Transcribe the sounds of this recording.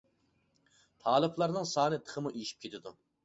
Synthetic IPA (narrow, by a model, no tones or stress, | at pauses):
t̪ʰɑːlˠɨplˠɑɾnɨŋsɑːnɨt̪ʰə̥χəmuʔijiʃi̥p̚kʰʲet̪ʰɪd̪u